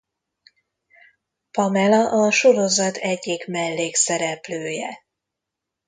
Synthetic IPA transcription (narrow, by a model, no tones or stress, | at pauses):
pɒmɛlɒʔɒʃo̞ɾo̞zɒt̪ʰɛɟːiɡmɛlːeːksɛɾɛpløːjɛ